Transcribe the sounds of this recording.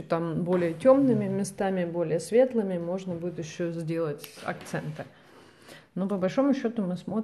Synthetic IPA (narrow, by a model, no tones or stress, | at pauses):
ot̪ambo̞lʲɪjətʲo̞mnɨmʲɪmʲɪst̪amʲɪbo̞lʲɪjəsvʲe̞t̪lˠɨmʲɪmo̞ʐnəbudʲɪt̪jɪɕːozʲdʲe̞lˠətʲɐ̰k̚t̪sɛnt̪ɨ | nopəbɐlʲʂo̞mʊɕːo̞t̪ʊmɨsmo̞